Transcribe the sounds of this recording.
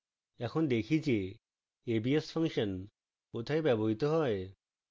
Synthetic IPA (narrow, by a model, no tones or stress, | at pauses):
ɛkʰond̪ekʰid͡ʑe | ebiespʰəŋʃən | pot̪ʰaebɛbɔɦit̪ɔɦɔe